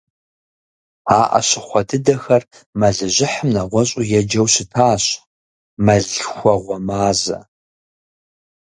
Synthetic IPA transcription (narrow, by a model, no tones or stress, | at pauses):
aːʔɐ̰ɕɪχʷɔdʰɨdɐxɐr | mɐɮɨʑɪħəmnɐʁʷɔɕʼujɛd͡ʒɐwɕɪtʰaːɕ | mɐɮxʷɔʁʷɔmaːzɐ̰